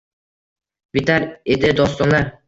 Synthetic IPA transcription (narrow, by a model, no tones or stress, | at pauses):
bɪt̪aɾed̪ɪd̪ɒst̪ɒnlaɾ